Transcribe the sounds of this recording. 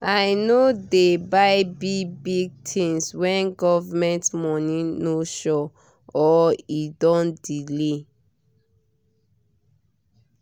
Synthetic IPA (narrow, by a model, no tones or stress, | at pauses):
ajnodebaɪbibiɡ̚tʰĩnswɛ̃nɡɔvamɛ̃ntmɔnĩnoʃɔ | ɔidɔ̃ndile